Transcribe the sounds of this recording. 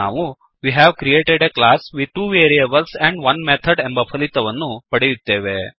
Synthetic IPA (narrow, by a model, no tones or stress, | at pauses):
a̰ʋũ | ʋiɦɛʋkɾieʈeɖeklasʋiʈuːʋeɾiebəlsɛ̃ɳɖʋɐnmet̪ʰəɖɛ̃mbəfʰəlit̪ɐʋənːũpəɽit̪ːeʋe